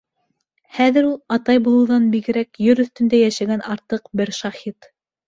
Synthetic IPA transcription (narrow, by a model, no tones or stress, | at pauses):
χæðɘ̆ɾulˠɑt̪ɑjbulˠɤ̆wðɑnbiɡɘ̆ɾækjɵɾɵ̆θt̪ɵ̆nd̪æjæʃæɡænɑɾt̪ɤqbɘɾʃɑhit̪